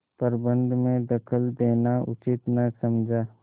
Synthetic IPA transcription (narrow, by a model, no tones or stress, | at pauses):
pəɾbə̃nd̪ʱmẽd̪ɐkʰəld̪eːnaʊ̰t͡ʃɪt̪nɐsɐmd͡ʒʱaː